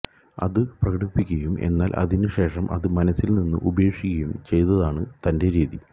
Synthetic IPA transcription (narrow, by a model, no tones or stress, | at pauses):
ɐ̰ðɨprɐkɐɽipːikʲːɐjume̞̰nːaːlʔɐ̰ðinɨɕe̞ːʂɐmʔɐ̰ðɨmɐnɐsːilninːɨ̰ʔubɐeːkʂikʲːɐjumt͡ɕe̞jt̪ːɐðaːɳɨt̪ɐnde̞ɾiːði